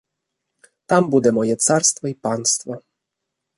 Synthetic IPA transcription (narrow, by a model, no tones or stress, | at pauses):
t̪ambud̪ɛmɔjɛt̪saɾst̪fɔipanst̪fɔ